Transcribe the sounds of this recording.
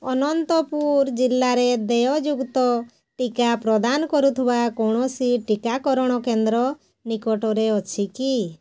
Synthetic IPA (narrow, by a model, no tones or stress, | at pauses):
ɔnɔnt̪ɔpuɾd͡ʒilːaɾed̪ejɔd͡ʒuɡt̪ɔ | ʈikapɾɔd̪anɔkɔɾut̪ʰibakɔɽ̃ɔsiʈikakɔɾɔɽ̃ɔkend̪ɾɔ | nikɔʈɔɾeɔt͡ʃʰiki